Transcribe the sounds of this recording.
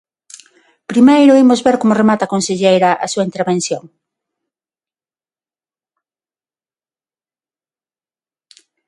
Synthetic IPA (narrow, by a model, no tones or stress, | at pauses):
pɾimejɾʊimʊzβeɾkomʊremat̪akonseʎejɾɐʔa̰suaint̪eɾβenθjoŋ